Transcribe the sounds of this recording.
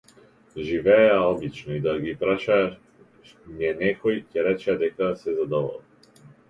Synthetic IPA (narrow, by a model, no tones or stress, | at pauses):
ʒivɛaɔbit͡ʃnɔid̪aɡipɾaʃa | miɛnɛkɔjcɛɾɛt͡ʃɛd̪ɛkasɛzad̪ɔvɔ̰lˠ